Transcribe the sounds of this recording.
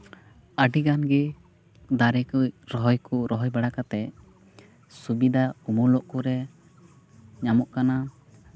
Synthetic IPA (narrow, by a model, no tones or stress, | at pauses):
əɖiɡanɡɛ | d̪aɾɛkujɾɔɦɔjkuɾɔɦɔjbaɽakat̪ɛ | subid̪aumulɔʔkuɾɛ | ɲamɔʔkana